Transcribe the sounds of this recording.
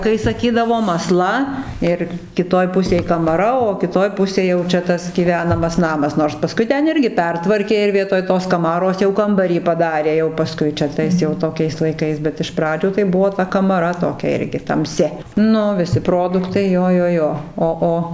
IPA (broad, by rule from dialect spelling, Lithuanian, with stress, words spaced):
kɐɪ sɐˈkʲiːdɐʋoːm ɐˈslˠɐ ɪr kʲɪˈtoːj ˈpʊsʲeːj kɐmɐˈrɐ oː kʲɪˈtoːj ˈpʊsʲeːj jɛʊ ˈt͡ʃʲɛ ˈtɐs ɡʲiːˈʋʲæːnɐmɐs ˈnɑːmɐs noːrs pɐˈskʊɪ ˈtʲɛn ˈɪrʲɡʲɪ ˈpʲɛrtʋɐrʲkʲeː ɪr ˈʋʲiɛtoːj toːs kɐˈmɑːroːs jɛʊ ˈkɐmbɐrʲiː pɐˈdɑːrʲeː jɛʊ pɐˈskʊɪ t͡ʃʲɛ ˈtɐɪs jɛʊ toːˈkʲɛɪs lˠɐɪˈkɐɪs bʲɛt ɪʃ ˈprɑːd͡ʒʲuː tɐɪ ˈbʊʋoː ˈtɐ kɐmɐˈrɐ toːˈkʲɛ ˈɪrʲɡʲɪ tɐmʲˈsʲɪ ˈnʊ ʋʲɪˈsʲɪ ˈproːdʊktɐɪ ˈjoː ˈjoː ˈjoː oː ˈoː